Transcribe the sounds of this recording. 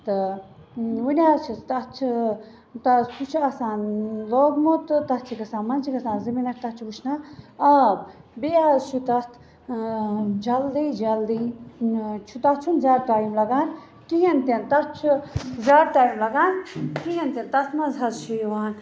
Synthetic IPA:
t̪ɨ | wunʲaːzt͡ʃʰit̪ɐt͡ʃʰi | t̪ɐspʰut͡ʃʰɐsaːnloːɡmot̪t̪ɐt͡ʃʰikɐsaːnmɐnt͡ʃʰikɐsãːnzimiːnɐk̚ʰt̪ɐt͡ʃʰubut͡ʃʰnaːɐb̚biaːzt͡ʃʰut̪ɐst̪ʰ | d͡ʒɐld̪iːd͡ʒɐld̪i | t͡ʃʰut̪ɐt͡ʃʰunzaːɾt̪aːjimlɐɡaːn | kiɦɐnt̪ent̪ɐt͡ʃʰuzaːɾt̪aːjimlɐɡaːnkiɦɐnt̪ʲent̪ɐt̪ʰmɐzɐzʃʰujuʋaːn

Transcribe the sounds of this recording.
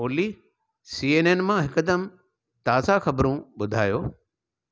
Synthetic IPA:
oːli | siːeːneːnmãɦɪkəd̪əm | t̪aːzaxɐbɾũɓʊd̪ʱaːjoː

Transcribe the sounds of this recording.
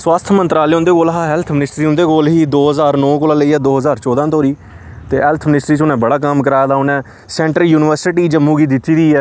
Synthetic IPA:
swaːst̪ʰmənt̪ɾaːleːʊ̃nd̪eːkoːlɦaːɦɛlt̪ʰmɪnɪsʈɾiːʊ̃nd̪eːkoːlɦiːd̪oːɦəzaːɾnɔ̃ːkoːlaːləiːɛːd̪oːɦəzaːɾt͡ʃɔːd̪ãːt̪oːɾiː | t̪eːɦɛːlt̪ʰmɪnɪsʈɾiːt͡ʃʊnɛ̃ːbəɽaːk̬aːmkəɾaːjd̪aːʊnɛ̃ː | sɛ̃ːɳʈɾəljuːnɪʋəɾsɪʈiːd͡ʒəmːũːɡiːd̪ɪt̪ːiːd̪iːɛː

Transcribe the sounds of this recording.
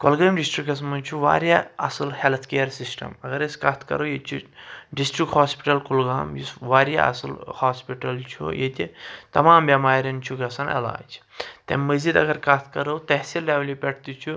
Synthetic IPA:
kɐlɡɐːmɖisʈɾikɐsmɐnt͡ʃʰuʋa̰ːɾʲjaɐ̰sɐlhelt̪ʰkejɐɾsisʈɐ̰mɐɡɐɾeskɐt̪ʰkɐ̰ɾowjet͡ʃʰuɖisʈɾikhaːspi̥ʈɐlkulɡaːmjusʋaːɾja̰ɐ̰sɐ̰lhaːspiʈɐlt͡ʃʰṵjet̪ʲit̪ɐmaːmbʲɐmaːɾʲɐnt͡ʃʰuɡɐsɐnɐ̰la̰ːd͡ʒt̪ɐ̰mməzid̪ɐ̰ɡɐɾkɐt̪ʰkɐɾɐwt̪ɐɦsileʋlʲupʲeʈʰt̪ut͡ʃʰu

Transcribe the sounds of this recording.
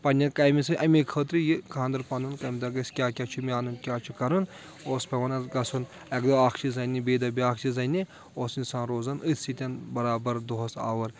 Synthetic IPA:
pɐnʲːɐnkɐjmisɨʔɐmikʰəːt̪ɾijikʰãːnd̪ɐɾpɐnunkɐmʲd̪ɐɡɐsʲkʲaːkʲat͡ʃʰumʲiaːnunkʲjaːt͡ʃʰukɐɾun | oːspʲɐʋɐnɐɡɐsʰun | ɐkd̪oaːkʰt͡ʃʰizɐnʲibeːd̪ɐbʲiaːkʰt͡ʃʰizɐni | oːsinsãːnɾoːzɐnɨt̪ʰsit̪ʲɐnbɐɾaːbɐɾd̪oɦɐsa̰ːʋɐɾ

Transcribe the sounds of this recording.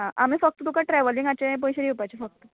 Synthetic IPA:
ɦãʔam̤iːfək̚t̪ət̪ukaʈɾɛʋəliŋɡat͡ɕaĩp̬õjɕeɾupajt͡ɕefək̚t̪ə

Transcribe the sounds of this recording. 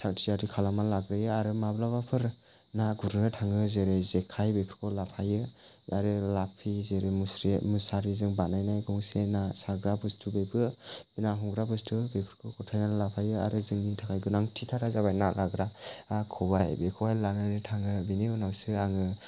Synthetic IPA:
tʰaktʰiaɾikʰalamalaɡɾajɯaɾɯmablabapʰɯɾ | naɡuɾnɯtʰaŋɯzeɾezekʰajbepʰɯ̥ɾkʰɔlapʰajɯ | aɾɯlapʰizeɾemusɾimɯsaɾizɯŋbanajnajɡɔŋsenasaɾɡɾabɯstʰubebɯb̥inaɦɔŋɡɾabɯstʰɯbepʰɯɾkʰɯkʰɔtʰajnalapʰajɯaɾɯzɯŋnitʰakʰajɡɯnaŋtʰitʰaɾazaβajnalaɡɾaakʰɔbajbekʰɔajlanaɾitʰaŋɯbiniunawsɯaŋɯ

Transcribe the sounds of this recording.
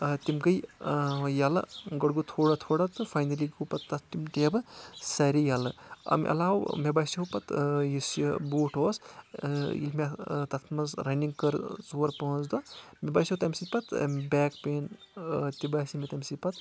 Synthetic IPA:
t̪imkɐj | jalɐ̰ɡɐɽɡut̪ʰoːɽɐt̪ʰoːɽɐt̪ɨfʰajnɐliɡupɐt̪ːɐt̪t̪imʈeːbɨsɐɾijalɐɐ̰mʲʔɐ̰laːwmebaːsiopɐt̪jisjboːʈʰoːs | ḭlmet̪ɐt̪ʰmɐzɾɐniŋɡkɐɾzoːɾpɐɦzd̪ɔmʲebaːsiowt̪ɐmʲsipɐt̪bɛːkpeːnt̪ibaːsimet̪ɐmsipɐt̪

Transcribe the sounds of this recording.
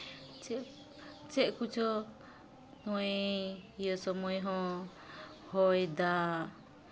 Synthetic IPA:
t͡ʃɛ | t͡ʃɛʔkut͡ʃʰɔ | nɔejɔsɔmɔjɦɔ̃ | hɔjd̪a

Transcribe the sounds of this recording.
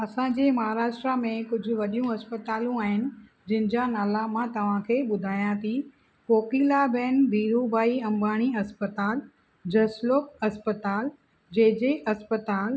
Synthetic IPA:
ɐsãd͡ʑeːmɐɦaːɾaːʃʈɾamẽkʊd͡ʑʱʊ̆ʋɐɗijũɐspət̪aːlũaːɦɪnɪ̆ | d͡ʑɪ̃ɦɪnɪ̆d͡ʑanaːlamãt̪ɐʋ̤ãkʰeːɓʊd̪ʱaːjãt̪ʰi | foːkiːlabɛːnd̪ʱiːɾubaːiɐ̃mbaːɽ̃iɐspət̪aːl | d͡ʑɐsloːkɐspət̪aːl | d͡ʑɐɦɪ̃d͡ʑeʔɐspət̪aːl

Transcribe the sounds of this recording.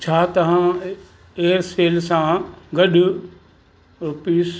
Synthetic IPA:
t͡ɕʰaːt̪ɐʋ̤ã | eːəɾseːlsãɡɐɗʊ | piːs

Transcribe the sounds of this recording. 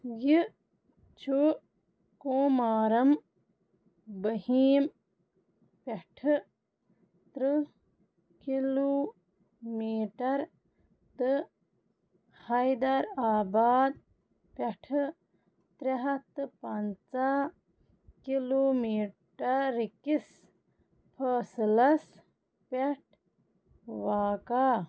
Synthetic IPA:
ji | t͡ʃu | koːmaːɾɐm | bɐhiːm | pɐʈʰ | t̪ɾɨ | kiloː | miːʈɐɾ | t̪ɨ | hajd̪ɐɾaːbaːd̪̚ | pɐʈʰ | t̪ɾɐɦɐt̪ɨpant͡sa | kiloːmiːʈɐɾikis | pʰəːslɐs | pɛʈʰ | ʋaːka

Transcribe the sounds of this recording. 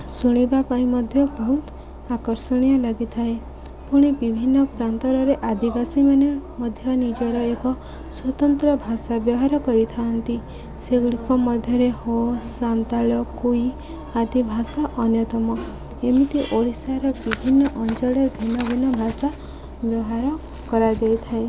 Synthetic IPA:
suɽ̃ibapaĩmɔd̪ʱjɔbɔɦut̪ | akɔɾsɔɽ̃ijɔlaɡit̪ʰae | puɽ̃ibibʱinːɔpɾant̪ɔɾɔɾeʔad̪ibasimanemɔd̪ʱjɔnid͡ʒɔɾɔekɔ | swɔt̪ɔnt̪ɾɔbʱasabjɔɦaɾɔkɔɾit̪ʰant̪i | seɡɽikɔmɔd̪ʱjɔɾehosant̪aɭɔkui | ad̪ibʱasaʔɔnjɔt̪ɔmɔ | emit̪iʔoɭisaɾɔbibʱinːɔʔɔnt͡ʃɔɭed̪ʱinɔbʱinɔbʱasa | bjɔɦaɾɔ | kɔɾad͡ʒajt̪ʰae

